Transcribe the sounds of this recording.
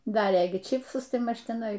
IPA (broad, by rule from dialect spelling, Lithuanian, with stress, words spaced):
ˈdɑːrʲeː ˈɡʲɪ ˈt͡ʃʲɪpsʊs ˈtɐɪ ˈmɐʃ tʲɪˈnɐɪ